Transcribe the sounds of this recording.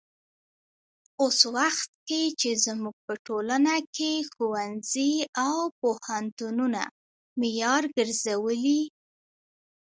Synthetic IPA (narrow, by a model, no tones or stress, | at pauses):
oswaxt̪̚ket͡ʃezmuɡ̚pəʈolanakexuwanziawpohant̪ununa̰ | mijɑɾɡəɾzawəli